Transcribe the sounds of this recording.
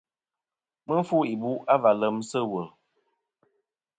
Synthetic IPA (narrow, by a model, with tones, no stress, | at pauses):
mə˦n˦fu˦i˨bu˦ʔa˦va˨lə˨˦msə˦wə˨